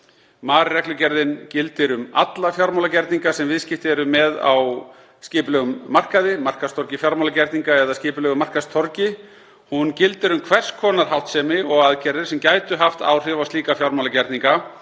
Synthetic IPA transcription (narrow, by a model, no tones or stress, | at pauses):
maːɾɪrɛklʏcɛɾðɪncɪlt̪ɪɾʏma̰t̪lafjawɾmawlacɛɾt̪niŋkasɛmvɪðscɪft̪ɪɛɾʏmɛða̰w | scɪːplœɣʏmːar̥kaðɪmar̥kast̪ʰɔɾcɪfjaɾmawlacɛɾt̪niŋkaɛðaskcɪːpʏlœɣʏmar̥kast̪ʰɔɾcɪ | huncɪlt̪ɪɾʏmkʰvɛr̥skʰɔːnaɾ̥ɦawht̪sɛːmɪɔɣaðcɛɾðɪɾ̥sɛmcaːjt̪ʏɦaft̪a̰wr̥ɪvast̪iːkafjawɾmawlacɛɾt̪niŋka